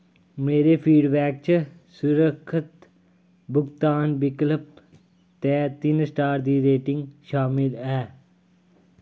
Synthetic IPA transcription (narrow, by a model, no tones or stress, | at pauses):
meːɾepʰiːɖbɛːk̚t͡ʃ | sʊɾəkʰːɪt̪ | bʊɡt̪aːnbɪkləp̚ | t̪ɛːt̪ɪnsʈaːɾd̪iːɾeːʈɪ̃ŋɡʃaːmɪlɛː